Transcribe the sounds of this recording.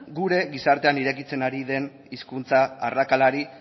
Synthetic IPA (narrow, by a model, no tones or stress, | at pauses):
ɡuɾe̞ɣisaɾt̪e̞aniɾe̞kit͡se̞naɾiðe̞n | iskunt͡saːrakalaɾi